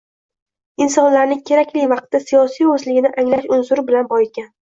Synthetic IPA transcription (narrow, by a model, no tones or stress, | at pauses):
ɪnsɒnlaɾnɪŋkʲʰe̞ɾakʲlɪjvɑq̚t̪ːasijɒsijɵzlɪɡʲɪnɪʔaŋlaʃʊnsʊɾbɪlanbɒjɪt̪̚kʲan